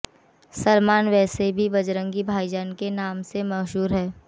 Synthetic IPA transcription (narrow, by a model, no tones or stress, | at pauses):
səlmaːnʋɛːsebʱibɐd͡ʒɾə̃ŋɡibʱaːid͡ʒənkenaːmsemɐɦʃuːɾɦɛː